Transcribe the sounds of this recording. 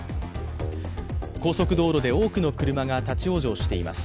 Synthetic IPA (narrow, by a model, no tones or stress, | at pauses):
ko̞ːso̞kɯ̟d̪o̞ːɾo̞d̪e̞o̞ːkɯ̟no̞kɯ̟ɾɯ̟maɡat̪at͡ɕio̞ːʑo̞ːɕi̥t̪e̞ima̰sɨ̥